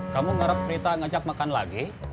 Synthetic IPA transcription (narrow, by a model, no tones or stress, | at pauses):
kamuŋaɾap̚t͡ʃəɾit̪aŋad͡ʒak̚makanlaɡi